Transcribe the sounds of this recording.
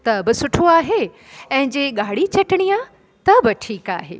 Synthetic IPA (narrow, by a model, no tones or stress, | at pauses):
t̪ɐbɪsʊʈʰoaːɦe | ɛ̃ɦɪ̃d͡ʑeːɠaːɽ̤it͡ɕɐʈɪɽ̃ija | t̪ɐbɪʈʰiːka̰ːɦḛː